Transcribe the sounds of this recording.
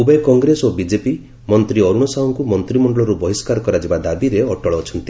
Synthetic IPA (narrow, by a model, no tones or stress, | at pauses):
ubɔjkɔŋɡɾesobid͡ʒepi | mɔnt̪ɾiɔɾuɽ̃ɔsaɦɔŋkumɔnt̪ɾimɔɳɖɔɭɔɾubɔɦiskaɾɔkɔɾad͡ʒibad̪abiɾeɔʈɔɭɔːt͡ʃʰɔnt̪i̥